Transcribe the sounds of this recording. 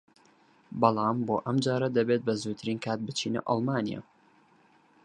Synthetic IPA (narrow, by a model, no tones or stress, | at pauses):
bɑlˠɑːmboːʔɐmd͡ʒaːɾɐd̪ɐbet̪̚bɐzoːjt̪ʰɨɾiːnkʰaːt̪̚bɨt͡ʃʰiːnɐ̰ʔɑ̰lˠmaːnija̰ː